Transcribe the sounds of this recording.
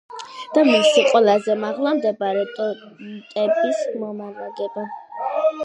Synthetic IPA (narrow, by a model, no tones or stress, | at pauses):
d̪̥amisiqʼwɛlazɛmaʁlˠamd̪ɛbaɾɛt̪ʼɔt̪ʼɛbismɔmavaɡɛba